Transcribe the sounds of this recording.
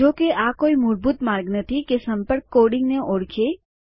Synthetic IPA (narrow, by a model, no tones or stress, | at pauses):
d͡ʒoːkeʔakoːimʊɾbuːt̪maːɾɡnət̪ʰikesə̃mpəɾkːoːɽɪ̃ŋɡneʔoːɽkʰe